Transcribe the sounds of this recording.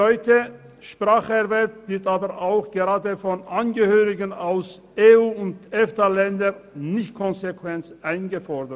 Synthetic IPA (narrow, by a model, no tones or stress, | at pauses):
ɔʏtə | ʃpʁ̥aːχəɛʁvɛʁpv̥ɪɐtaːbəʁʔaʊxɡ̥eʁaːdəfɔnʔanɡəhøːʁɪɡənaʊs | eːuːʊntɛftalɛndənɪçt̚kʰɔnzekv̥ɛnt͡sʔaɪnɡəfɔʁdə